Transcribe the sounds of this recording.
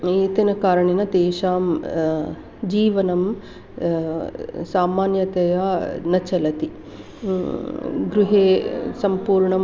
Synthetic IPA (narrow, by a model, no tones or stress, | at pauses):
eːt̪ɐnɐkaːɾɐɳinɐt̪eːʃaːm | d͡ʒiːʋɐnɐm | saːmaːnjɐt̪ɐjanɐt͡ʃɐlɐt̪i | ɡɾuɦeːsɐmpuːɾɳɐm